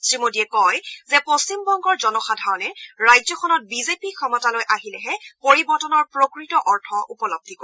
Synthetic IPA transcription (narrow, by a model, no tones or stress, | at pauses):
sɹimodiɛkɔjzɛpost͡ɕimbɔŋɡɔɹzɔnɔxadʱaɹɔnɛɹajzɔkʰɔnɔt̚bizepikʰɔmɔtalojʔaɦilɛɦɛpoɹibɔɹtɔnɔɹpɹokɹitɔʔɔɹtʰɔʔupɔlob̚d̪ʱikoɛ